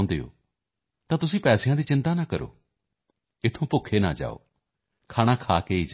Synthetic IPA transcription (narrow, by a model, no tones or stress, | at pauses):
nd̪ḛːo̰ː | t̪ãːt̪ʊsĩːpɛːsɪjãːd̪iːt͡ʃɪnt̪aːnaːkəɾo̰ː | ɪt̪ʰːõːpʊkʰːeːna̰ːd͡ʒa̰ːo̰ː | kʰaːɽ̃ãːkʰaːkeːiːd͡ʒ